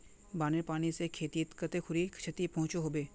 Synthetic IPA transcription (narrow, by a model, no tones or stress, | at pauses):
baːneɾpaːñisekʰeːt̪it̪kət̪ekʰʊɾikt͡ʃʰet̪ipɐ̃ɦʊ̃t͡ʃoɦoːbeː